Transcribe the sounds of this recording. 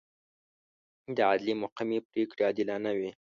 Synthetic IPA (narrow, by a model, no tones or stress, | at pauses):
d̪əad̪limʊqamepɾekɽeɑd̪ɪlɑnawi